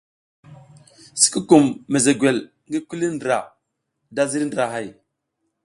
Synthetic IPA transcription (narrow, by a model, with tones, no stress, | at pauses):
si̥˦ki˦ku˨mːe˨ze˨ɡʷwe˨l | ŋɡi˦ku˦li˦ndɾa˨ | da˦zi˦ɾi˦ndɾa˨ɦa˨j